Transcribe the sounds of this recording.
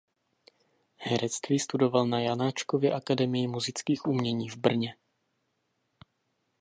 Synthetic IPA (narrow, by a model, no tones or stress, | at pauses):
hɛɾʔɛt͡st̪viːst̪udo̞valnajanaːt͡ʃkovjɛʔakadɛmɪjɪmuzɪt͡skiːxʔumɲɛɲiːvbr̩ɲɛ